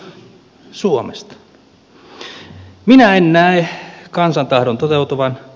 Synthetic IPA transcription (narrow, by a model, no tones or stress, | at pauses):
suomest̪ | minæennæekɑnsɑnt̪ɑhdont̪ot̪eut̪uʋɑn